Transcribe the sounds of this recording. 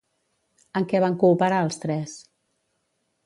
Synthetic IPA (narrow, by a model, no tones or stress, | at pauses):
əŋkɛβaŋkuːpəɾaəlˠst̪ɾɛs